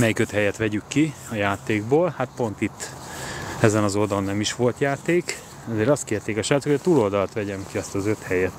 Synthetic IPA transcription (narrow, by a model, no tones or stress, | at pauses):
mɛjikø̞t̪hɛjɛt̪ʋɛɟykːi | ɒjaːt̪eːɡ̚boːlhat̪̚po̞nt̪it̪ː | ɛzɛnɒzo̞d̪onːɛmiʃʋo̞lt̪jaːt̪eːk | ɛzeːɾɒst̪kieːrt̪eːkɛʃɛlːt̪hooɒt̪uːlo̞ld̪ɒlɒt̪ʋɛɟɛmkiɒst̪ɒzø̞t̪hɛjɛt̪